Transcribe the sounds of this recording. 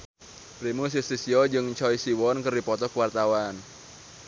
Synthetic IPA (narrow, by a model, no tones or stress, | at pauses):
pɾimus̬isisiɔd͡ʒɨŋt͡ʃɔisiwɔnkərdipɔt̪ɔkuwart̪awan